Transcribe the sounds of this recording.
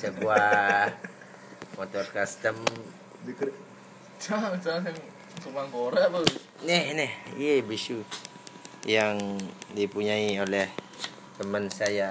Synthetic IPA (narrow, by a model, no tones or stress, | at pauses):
səbua | mot̪ɔrkast̪əm | di | t͡ʃat͡ʃas̬ŋ | sumaŋkoɾabə | nɛhnɛhijebəiʃu | jaŋdipuɲaiolɛh | t̪əmənsaja